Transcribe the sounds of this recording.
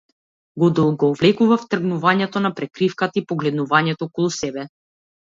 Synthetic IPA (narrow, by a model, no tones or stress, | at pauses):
ɡɔd̪ɔlˠɡɔːvlɛkuvaft̪r̩ɡnuvaɲɛt̪ɔnapɾɛkɾifkat̪aipɔɡlɛd̪nuvaɲɛt̪ɔɔkɔlˠusɛbɛ